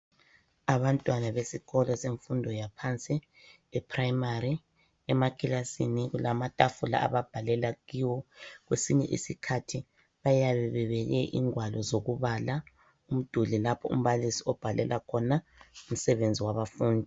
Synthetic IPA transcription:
aβantʼwanaβesiɣɔlɔseɱfundʱɔjapʰant͡sʼi | ɛpʰraimari | ɛmakʰʼilasiniɣulamatʼafula̰ʔa̰βab̥ʱalɛlaɣiwɔɣwesiɲɛʔḭsikʰatʰi | βajaβɛβɛβɛɣɛʔḭŋwalɔzoɣuβala | um̩d̥ʱulilapʰɔṵm̩βalisiɔb̥ʱalɛlʔakʰɔnaum̩sɛβend͡zʱiwaβafuːndʱi

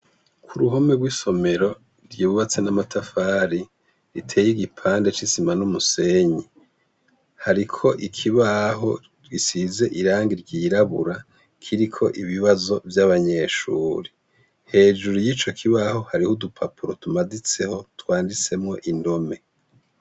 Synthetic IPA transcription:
kʰuɾuɦo̞meɡwiːso̞me̞ɾo̞ | ɾɟiːβuβat͡se̞namatʰafaːɾi | ɾitʰe̞ːjiɡipʰaːndet͡ʃisimanumuse̞ɲe | haɾikʰo̞ʔikʰiβaɦo̞̰ | ɡisize̞ʔiɾaːŋɡiɾɟiːɾaβṵɾa | kʰiɾikʰo̞̰ʔiβiβazo̞vjaβaɲe̞ʃṵːɾi | he̞ːd͡ʒuɾujiːt͡ʃo̞kʰiβaho̞haɾihudupʰapʰuɾo̞tumadit͡se̞ho̞twaːndit͡se̞mŋo̞̰ʔindo̞me̞

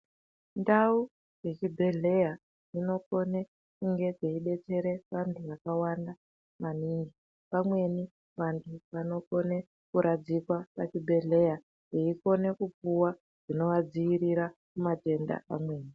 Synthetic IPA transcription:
ndau | je̞t͡ʃibʱe̞ɮe̞ja | ino̞ko̞ne | kuŋɡe̞ʐeiɗe̞t͡se̞ɾe̞pandʰuʋakawanda | maniːŋɡi | pamwe̞ni | ʋantʰuʋano̞ko̞ne̞ | kuɾʔad͡zikwapat͡ʃibʱe̞ɮe̞ja | jeiko̞ne̞kupuwa | ʐ̥ino̞ʋad͡ziiɾiɾakumate̞nda̰amwe̞ːni

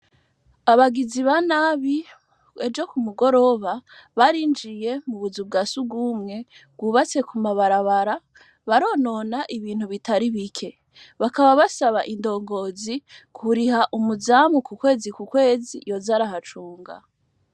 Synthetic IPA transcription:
aβaɡiziβanaːβi | ed͡ʒo̞kumuɡo̞ɾo̞βaβaɾiːnd͡ʒije̞muβuzub̚ɡasuɡumŋe̞ɡ̥uːβat͡se̞kumaβaɾaβaɾa | βaɾo̞no̞naʔiβiːn̥huβitaɾiβikʰe̞ | βakaβaβasaβaʔindo̞ːŋɡo̞zikʰuɾihaʔumuzamukukwe̞ːzikukwe̞ːzḭjo̞zaɾaɦat͡ʃuːŋɡa̰

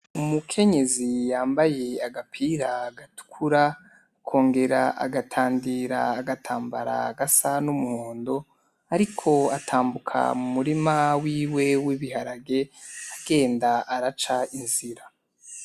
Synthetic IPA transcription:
umukʰe̞ɲe̞zijaːmbaje̞aɡapʰiɾaɡatu̥kʰuɾa | kʰo̞ːŋɡe̞ɾaʔa̰ɡatʰaːndiɾaːɡatʰaːmbaɾa̰ɡasanumuhoːndo | aɾikʰo̞atʰaːmbukʰa̰mumuɾimawiːwe̞wiβiɦaɾaɡe̞aɡ̥e̞ːndaaɾat͡ʃainziɾa

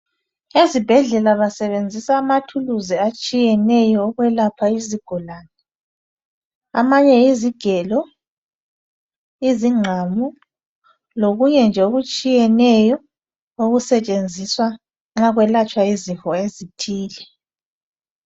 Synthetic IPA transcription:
ezib̥ʱɛɮɛlaβasɛβend͡zʱisaːmatʰuluziat͡ʃʼijɛnɛjɔːɣwɛlapʰaiziɡ̥ʱulaːnɛ | a̰maɲɛiziɡ̥ʱɛlɔ | iziŋ͡ǁʱamu | loɣuɲɛnd͡ʒʱɛoɣut͡ʃʼijɛnɛjɔ | oɣusɛt͡ʃʼend͡zʱiswa | ŋ͡ǁaɣwɛlat͡ʃʼwaizifɔezitʰiːlɛ

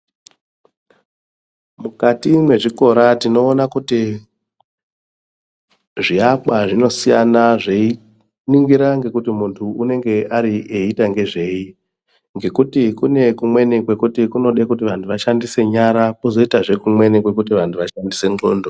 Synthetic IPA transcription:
mukatimwe̞ʐiko̞ɾatino̞ːnakuti | ʐiaɓwaʐino̞sijanaʐei | niŋɡiɾaŋɡe̞kutimuntʰuune̞ŋɡe̞ʔaɾiʔeitaŋɡe̞ʐe̞i | ŋɡe̞kutikune̞kumwe̞nikwe̞kutikuno̞ɗekutiʋantʰuʋaʃandise̞ɲaɾapozo̞itaʐe̞kumwe̞nikwe̞kutiʋantʰuʋaʃandise̞ŋɡoːndo

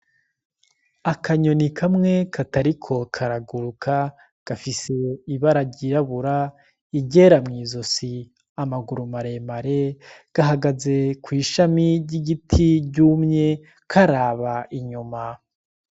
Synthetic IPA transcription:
akaɲo̞nikʰamŋe̞kʰataɾikʰo̞kʰaɾaɡuɾukʰa | ɡ̥afise̞iβaɾaɟiɾaβuɾa | iɟeːɾamŋiːzo̞si | amaɡuɾumaɾe̞maɾe̞ɡ̥aɦaɡaze̞kwiːʃamiɾɟiɡitʰiɟuːmɲe̞ | kʰaɾaːβaʔiɲuma

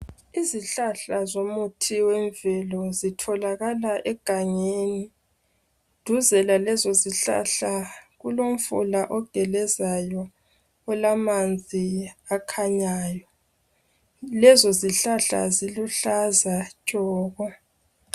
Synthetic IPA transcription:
iziɬaɬazomutʰiwɛɱvɛlɔzitʰɔlaɣalaʔɛɡ̥ʱaŋeːni | d̥ʱuzɛlalɛzɔziɬa̰ɬaɣulom̩fṵlaʔɔɡ̥ʱɛlɛzajɔː | lamand͡zʱiakʰaɲaːjɔ | lɛzɔziɬaɬa̰ziluɬazat͡ʃʼɔːɣɔ

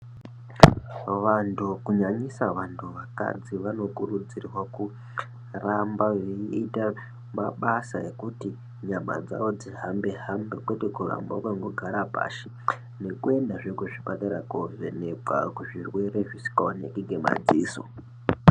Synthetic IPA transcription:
ʋantʰukuɲaɲisaʋantʰuʋaka̰d͡ziʋano̞kurud͡zirwaku | rambaʋeita | maɓasa̰e̞kuti | ɲama̰d͡za̰ʋo̞d͡ziɦambe̞ɦambe̞kwe̞tekura̰mbakwaŋɡoɡʱaɾapa̰ːʃe̥ | ne̞kue̞ndaʐekuʐipataɾakoʐḛne̞kwa̰kuʐirwe̞ɾe̞ʐisi̥kaonekiŋɡʱe̞ma̰d͡ziːso̰

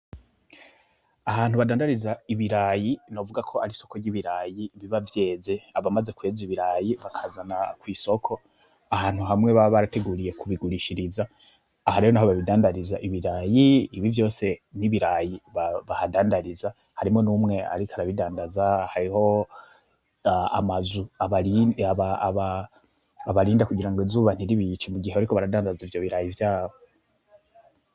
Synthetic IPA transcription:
ahaːn̥huβadaːndaɾizaiβiɾaːjino̞vuɡakʰo̞haɾiso̞koɾɟiβiɾaːjiβiβavje̞ːze̞aβamaze̞kue̞ːziβiɾaːjiβakʰazanakwiːso̞kʰo̞ | ahaːn̥huɦamŋe̞βaβaɾate̞ɡuːɾije̞kʰuβiɡuɾiʃiɾizaː | haɾihonaɦoβaβidaːndaɾizaʔiβiɾaːjiːβivjo̞ːse̞niβiɾajiβaβahadaːndaɾiza | haɾimŋo̞numŋe̞a̰ɾikʰaɾaβidaːndazahaɾiho̞ | aa̰mazuaβaaβaβaː | βaɾiːndakuɡiɾaŋɡo̞zuβan̥iɾiβit͡ʃimuɡiheβaɾikoβaɾadaːndazivjo̞βiɾajivjaːβo

